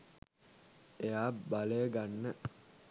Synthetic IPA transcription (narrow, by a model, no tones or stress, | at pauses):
ejaːbaleːɡanːə